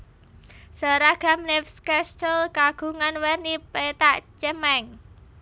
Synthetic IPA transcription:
səɾaɡ̥a̤mnɛfskɛst̪əlkaɡ̥ṳŋanwɛrnipet̪aʔt͡ʃɛmɛŋ

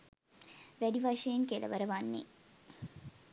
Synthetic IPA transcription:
ʋæɖiʋɐʃejeŋkelɐ̰ʋɐɾəʋanːḭ

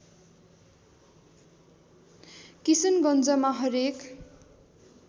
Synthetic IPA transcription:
kisʌnɡʌnd͡zʌmaɦʌɾek

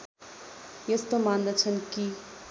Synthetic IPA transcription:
jʌst̪omand̪ət͡sʰʌnki

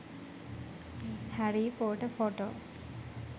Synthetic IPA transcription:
hæɾiːpoːʈəfoʈo̰ː

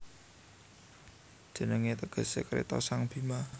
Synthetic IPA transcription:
d̥ʒ̥ə̤nəŋet̪əɡ̥ə̤sekɾḛt̪ɔ̰saŋb̥i̤ma

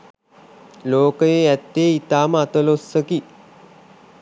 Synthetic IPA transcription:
loːkəjeæt̪ːeːit̪aːməat̪əlosːəki

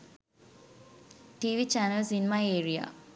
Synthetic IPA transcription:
ʈiːʋit͡ʃænəlsinemaeːɾia̰

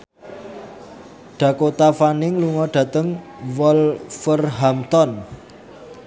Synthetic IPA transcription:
ɖ̪̥a̤kot̪afanɪŋluŋɔɖ̥ä̤t̪əŋ | wɔlfərɦamt̪ɔn

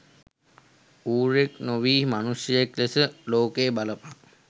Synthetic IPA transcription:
uːɾeknoʋiːmanusjəeklesəloːkeːbaləpa

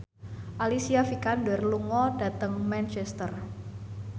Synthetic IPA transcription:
ʔalisiafikandɛrluŋɔdat̪əŋmɛnt͡ʃɛst̪ər

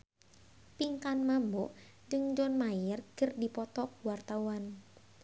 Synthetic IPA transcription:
piŋkanmambɔʔ | d͡ʒəŋɲd͡ʒɔnmajɪrɡ̥ərdipɔt̪ɔk̚wart̪awan

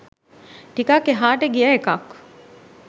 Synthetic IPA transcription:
ʈikakːeɦaːʈeɡiɐekak

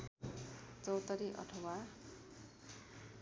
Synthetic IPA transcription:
t͡sʌwt̪ʌɾiʔʌ̰ʈʰʌwa

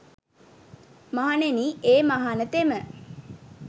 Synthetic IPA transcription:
maɦaneniːeːmaɦanət̪emə

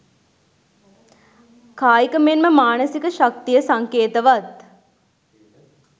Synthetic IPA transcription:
kaːjikəmenməmaːnəsikəʃak̚t̪ijəsaŋkeːt̪əʋat̪

